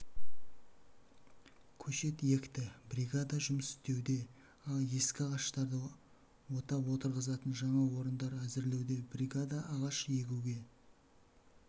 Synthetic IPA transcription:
kʲʰɵʃe̞t̪je̞kʲt̪ɪbrʲiɡad̪ɑʒʏməsɪ̥st̪e̞wd̪e̞ | ɑlˠje̞skʲɪɑʁɑʃt̪ɑɾd̪ə | wo̞t̪ɑpwo̞t̪əɾʁəzɑt̪ənʒɑɴɑwo̞ɾənd̪ɑɾæzɪɾle̞wd̪e̞brʲiɡad̪aːʁɑʃje̞ɡʲuɡʲe̞

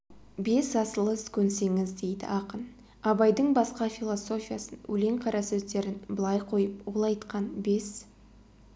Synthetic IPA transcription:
be̞sɑsəlˠəskʲʰɵnse̞ŋɪzd̪e̞jd̪ɪ̰ʔɑqən | ɑbɑjd̪əɴbɑsqɑfʲilˠo̞so̞fʲijasənwɵ̰le̞ɴqʰɑɾɑsɵzd̪e̞ɾɪnbəlˠɑjqʰo̞jəpwolˠɑjt̪qɑnbe̞s

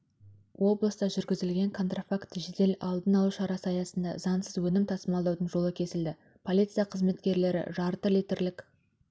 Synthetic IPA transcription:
wʔo̞blˠəst̪ɑʒʏɾɡʲɪzɪlɡʲe̞ŋkʰo̞nt̪rofakt̪ʒɪd̪e̞lɑlˠd̪ənɑlˠuʃɑɾɑsəɑjɑsənd̪ɑ̰zɑnsəzwɵnɪmt̪ʰɑsəmɑlˠd̪ɑwd̪ənʒo̞lˠəkʲʰe̞sɪld̪ɪ | pʰo̞lʲˠit̪sɨjɑqʰəzme̞t̪kʲe̞ɾle̞ɾɪ̰ʒɑɾt̪əlit̪ɪɾlɪkʲ

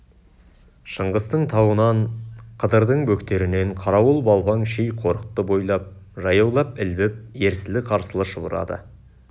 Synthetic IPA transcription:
ʃəɴʁəst̪əɴt̪ʰɑwənɑnqʰəd̪əɾd̪əɴbɵkt̪e̞ɾɪne̞ɴqʰɑɾɑwəlˠbɑlˠpɑŋʃejqʰo̞ɾət̪ːəbo̞jlˠɑp̚ | ʒɑjɑwlˠɑpɪlbɪp̚e̞ɾsɪlɪqʰɑɾsəlˠəʃəbəɾɑ̰d̪ə̰

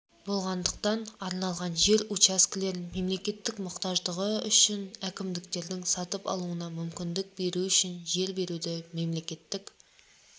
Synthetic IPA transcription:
bo̞lˠʁɑnd̪əq̚t̪ɑnɑɾnɑlˠʁɑnʒe̞ɾut͡ʃɑskʲɪle̞ɾme̞mle̞kʲe̞t̪ːɪkmʊqt̪ɑʒd̪əʁəʏʃɪnækʲɪmd̪ɪkt̪e̞ɾd̪ɪŋsɑt̪əpɑ̰lˠuənɑmʏmkʲɪnd̪ɪk̚be̞ɾuʏʃɪnʒe̞ɾbe̞ɾud̪ɪme̞mle̞kʲe̞t̪ːɪkʲ

